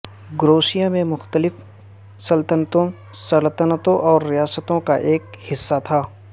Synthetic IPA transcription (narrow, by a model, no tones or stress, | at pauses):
ɡɾoːsijamẽmʊxt̪əlɪf | sɐlt̪ənət̪õ | səlt̪ənət̪õʔɔːɾːɪjaːsət̪õkaʔeːkhɪsːat̪ʰaː